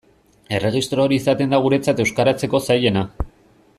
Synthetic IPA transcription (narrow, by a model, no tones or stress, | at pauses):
e̞re̞ɣ̞ist̪ɾoːɾiːsat̪e̞nd̪aɣ̞uɾe̞t͡sat̪e̞wskaɾat͡se̞ko̞saje̞na